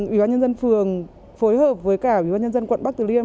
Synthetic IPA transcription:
ʔwḭ˧˩ɓaː˧ɲə˧nzə˧nfɨ˨˩əŋ | fo˨˦jɦəː˨˩p̚vəː˨˦jkaː˧˩ʔwḭ˧˩ɓaː˧nɲə˧nzə˧nkwə̰˧˨nɓa˦˥k̚t̪ɨ˧˨˩li˧əm

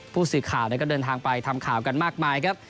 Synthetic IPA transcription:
pʰuː˥˩sɯː˨˩kʰaː˨˩wnɛ˦˥kɔː˥˩dɤː˧nt̪ʰaː˧ŋpa˧jt̪ʰa˧mkʰaː˩˦wka˧nmaː˥˩k̚maː˧jkʰa˦˥p̚

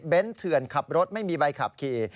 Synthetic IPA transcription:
be˦˥nt̪ʰɯ˨˩ənkʰa˨˩p̚ɾo˦˥t̪̚ma˥˩jmiː˧ba˧jkʰa˨˩p̚kʰiː˨˩

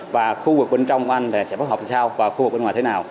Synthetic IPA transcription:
vaː˨˩xu˧vɨ˨˩k̚ɓe˧nt͡ɕɔ˧wŋ͡mku˧˩ʔa˧jŋ̟ɗ̪sɛ̰˧˥faː˨˦jɦɔː˨˩p̪̚ʰsaː˧wvaː˨˩xu˧ɨ˨˩k̚ɓŋwaː˨˩t̪ʰe˦naː˨˩w

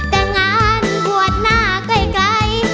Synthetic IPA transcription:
t̪ɛ˧˩ŋa˧nku˨˩ət̪̚naː˧˩kə˧˩jklə˧˥j

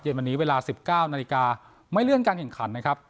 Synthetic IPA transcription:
je˧nwa˧nːiː˦˥weː˧laː˧si˨˩p̚kaː˥˩wnaː˧li˧kaː˧ | ma˥˩jlɯ˥˩ənkaː˧nkʰɛ˨˩ŋkʰa˩˦nːa˦˥kʰɾa˦˥p̚

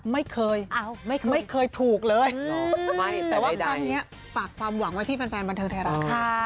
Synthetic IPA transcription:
ma˥˩jkʰɤː˧jʔa˧˩ma˥˩kʰmma˥˩kʰɤː˧jt̪ʰuː˨˩k̚lɤː˧jma˧˩jt̪ɛː˨˩wa˥˧daaː˧ni˦˥ɐ | faː˨˩kʰwaː˧mwa˩˦ŋwa˥t̪ʰiː˥˩pe˧nfɛː˧nba˧nt̪ʰːŋt̪ʰɛː˧˥˩ɾa˨˩˧kʰa˧˥˩

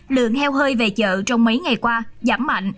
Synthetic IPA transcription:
lɨ̰˧˨əŋʰɛ˧wɦəː˧jve˨˩t͡ɕə̰ː˧˨t͡ɕɔ˧wŋ͡mmə˨˦jŋa˨˩jkwaː˧zaː˧˩mːa̰˧˨jŋ̟

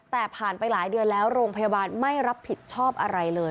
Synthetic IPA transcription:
t̪ɛː˨˩pʰaː˨˩npa˧jlaː˩˦jdɯ˧ənlɛː˦˥wɾoː˧ŋpʰa˧jaː˧baː˧nma˥˩jɾa˦˥pʰːi˨˩t̪̚t͡ɕʰɔː˥˩p̚ʔa˧ɾa˧jlɤː˧

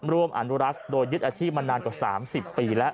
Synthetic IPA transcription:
ɾu˧˩˧əmʔa̰˨˧nu˦˥ɾa˦˥k̚doː˧jːɯ˦˥t̪̚ʔaː˧t͡ɕʰiː˥˩p̚ma˧naː˧nkwaː˨˩sa̰ː˩˦msi˨˩pːiː˧lɛ˦˥ʔ

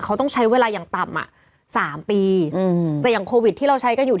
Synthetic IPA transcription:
kʰa˦˥wt̪ɔ˥˩ŋt͡ɕʰa˦˥jweː˧laː˧jaː˨˩ŋt̪a˨˩mʔa̰˨˩ | saː˩˦mpiː˧t̪ɛː˨˩ja˨˩ŋkʰoː˧wi˨˩t̪ʰːiː˥˩ɾa˧wt͡ɕʰa˦˥jka˧njuː˨˩

